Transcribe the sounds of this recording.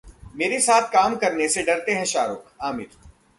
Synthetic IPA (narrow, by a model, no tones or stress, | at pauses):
meːɾesaːt̪ʰkaːmkɐɾneseɖɐɾt̪eɦɛ̃ʃaːɾʊːkʰaːmɪɾ